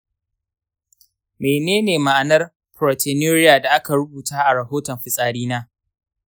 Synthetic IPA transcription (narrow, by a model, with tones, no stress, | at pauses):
meː˨neː˦neː˨ma˨ʔa˨nɐ˦r | pɾoː˨te˨noː˦ɾɪ˦jaː˨da˨ʔa˦ka˨ɾʊ˦buː˨taː˦ʔa˨ɾɐ˨ɦoː˦tɔ˨mɸɪ˦sʼaː˨ɽiː˦naː˦